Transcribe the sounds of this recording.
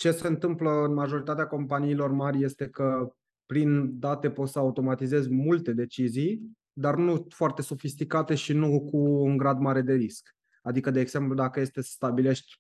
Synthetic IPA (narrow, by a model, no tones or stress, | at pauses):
t͡ʃe̞se̞ɨnt̪ɨmpləɨnmaʒo̞ɾit̪at̪eako̞mpaniːlo̞rmaɾʲje̞st̪e̞kə | pɾind̪at̪e̞pot̪səaut̪o̞mat̪ize̞zʲmult̪e̞d̪e̞t͡ʃizij | d̪arnufoart̪e̞sofist̪ikat̪e̞ʃinukuːŋɡɾad̪maɾe̞d̪e̞ɾisk | ad̪ikəd̪e̞ːɡz̥e̞mplud̪akəje̞st̪eəst̪abile̞ʃt̪ʲ